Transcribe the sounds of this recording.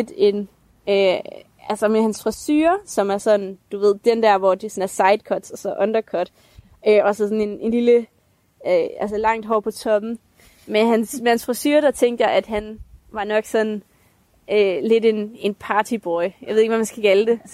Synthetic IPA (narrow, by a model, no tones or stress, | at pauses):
ed̥e̝n | ø | ælsɐmehænsfʁasy̰ːɐsɒ̽mæɐsɒ̽nd̥uʋe̝ð̞̰ˠd̥end̥æɐ̰ʋɒd̥esɒnæɐsɑ̈ɪd̥kʰɒd̥sɒ̽sɒ̽ʔɒ̽nd̥ɐkʰɒd̥ | øʔɒsɒ̽sɒne̝ne̝nlilə | øæls̬əlɑ̈ŋ̰d̥ɦɒːpʰɒ̽t͡sʰɒ̽b̥n̩ | meɦænsmehænsfʁasy̰ːɐd̥ɑ̈t͡sʰeŋ̰ɡ̥ɐʔæd̥ɦænʋɑ̈nɒ̽ɡ̥sɒ̽nn̩ | øle̝d̥e̝ne̝npʰɑ̈ːt͡sʰib̥ɒɪjɑɪeeɡ̥ʋæmænsɡ̥ækʰæləd̥e̝